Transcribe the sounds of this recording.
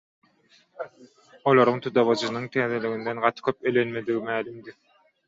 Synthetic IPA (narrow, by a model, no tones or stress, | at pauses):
olˠoɾuŋt̪ʰud̪ɑβɑd͡ʒɯnɯŋt̪ʰɛːðeliɣind̪enɢɑt̪ʰɯ̥kʲʰøp̚elenmed̪iɡimæːlymd̪i